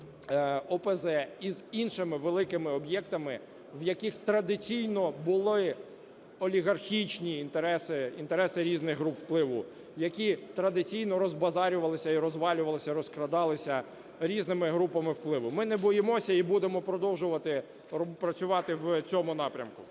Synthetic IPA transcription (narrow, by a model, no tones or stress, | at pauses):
ɔpɛzɛizinʃɪmɪʋelˠɪkɪmɪɔbjɛkt̪ɐmɪ | wjɐkixt̪ɾɐd̪ɪt͡sʲijnɔbʊlˠɪ | ɔlʲiɣɐrxʲit͡ʃnʲiːnt̪eɾɛsɪint̪eɾɛsɪɾʲiznɪɣɦɾupwplˠɪʋʊ | jɐkʲit̪ɾɐd̪ɪt͡sʲijnɔɾɔzbɐzɑɾʲʊʋɐlˠɪsʲɐiɾɔzʋɑlʲʊʋɐlˠɪsʲɐɾɔskɾɐd̪ɑlˠɪsʲɐ | ɾʲiznɪmɪɦɾupɐmɪwplˠɪʋʊmɪnɛbɔjɪmɔsʲɐibud̪emɔpɾɔd̪ɔwʒʊʋɐt̪ɪ | pɾɐt͡sʲʊʋɑt̪ɪwt͡sʲɔmʊnɑpɾʲɐ̰mkʊ